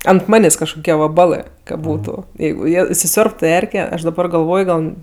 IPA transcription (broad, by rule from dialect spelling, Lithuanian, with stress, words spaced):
ɐnt ˈmɑːnʲeːsʲ kɐʃkoːˈkʲiɛ ʋɐˈbɑːlˠɜ kɐ ˈbuːtʊ ˈjɛɪɡʊ ˈjiɛ ɪsʲɪˈsʲoːrptʊ ˈɛrʲkʲɛ ˈɐʃ dɐˈbɐr ɡɐlˠˈʋoːj ˈɡɐlˠ